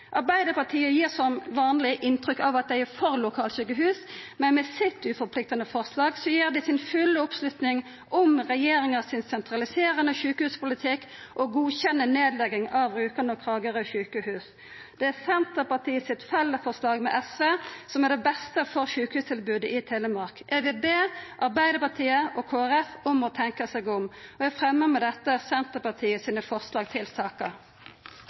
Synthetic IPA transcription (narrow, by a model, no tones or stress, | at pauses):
ʔɑɾbæɪd̪əpɑʈ̪ʰiːəjiːʁsɔmʋɑːnlɪʔɪnt̪ɾʏkːɑʋɑt̪̚d̪æɪæʁfɔʁlʊkʰɑːlɕʉːkəɦʉːsmɛnmɛsɪt̪ːʉfɔɾpʰlɪk̚t̪ɑnəfɔʁslɑːɡsɔjiːʁd̪æɪsɪnfʉlːəɔpslʉt̪nɪŋ | ʔɔmʁɛjeːɾɪŋɑsɪnsɛnt̪ɾɑlɪseːʁənəçʉːkəhʉːspʊlɪt̪ʰɪkː | ʔɔɡuːçɛnːəneːd̪lɛɡɪŋɑʋɾʉːkɑnəkʰɾɑːɡəʁəçʉːkəhʉːs | d̪̥ɛæsɛnt̪əpɑʁt̪ʰiːəsɪt̪fɛlːəfɔʁslɑːɡmɛ̰ʔɛsʋeːsɔmæɖ̪ɛbɛst̪əfɔʁʃʉːkəhʉːst̪ʰɪlbʉːd̪əɪt̪ʰeːləmɑɾkʔɛʋɪlbeːʔɑʁbæɪd̪əpɑʁt̪ʰiːəʔɔkʰoːæʁɛfɔmɔt̪ʰɛŋkəsɛɡʊmɔæfʁɛmːəmɛd̪ɛt̪ːəsɛnt̪əpɑt̪ʰiːəsiːnəfɔʁslɑːɡ̚t̪ʰɪlsɑːkə